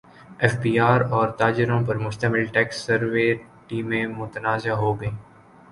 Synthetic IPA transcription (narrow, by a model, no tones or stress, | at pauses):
ɛːfbiːaːɾɔːɾt̪aːd͡ʒɪɾõpɐɾmʊʃt̪əmɪlʈɛːksːɐɾʋe | ʈiːmẽmʊt̪ənaːzaɦoːɡɐẽː